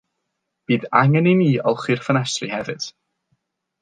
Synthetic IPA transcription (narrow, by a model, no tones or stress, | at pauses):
b̥iːðaŋɛniniːɔlˠχwirfənɛsrihɛvɨd̥